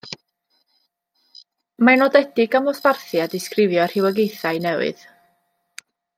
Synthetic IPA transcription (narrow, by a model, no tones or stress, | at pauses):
manɔdɛdɪɡamɔsb̥arθɨadɪskrɪvjɔar̥hɪwəɡejθaɨnɛwɨ̰ð̥